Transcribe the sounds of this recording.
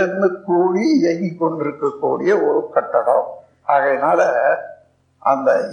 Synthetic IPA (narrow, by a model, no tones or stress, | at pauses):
ɾnd̪ɯkːuːɻiɪɾɐŋɡikːɔɳɖɪɾɯkːɐkːṵːɽɪjɐɔɾɯkɐʈːɐɽɐ̰̃ | ʔaːɣɐnaːlɛ | ʔɐ̰nd̪ɐ